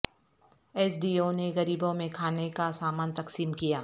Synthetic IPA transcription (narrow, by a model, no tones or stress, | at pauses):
ɛːs̬ɖiːoneɣɐɾiːbõmẽkʰaːnekasaːmaːnt̪ɐqsiːmkijaː